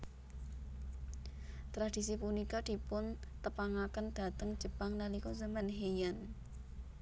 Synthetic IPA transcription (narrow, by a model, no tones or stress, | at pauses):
t̪ɾad̪̥i̤s̬ipunikad̪̥i̤pʊnt̪əpaŋakənd̪̥a̤t̪əŋ̥d͡ʒ̥ə̤paŋnalikozəmənɦejan